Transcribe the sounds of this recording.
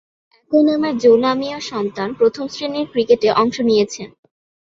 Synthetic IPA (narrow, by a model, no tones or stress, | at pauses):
konamaɾd͡ʑolamioʃɔnt̪anpɾot̪ʰomsɾeniɾkɾikeʈeʔɔŋʃonijet͡ɕʰen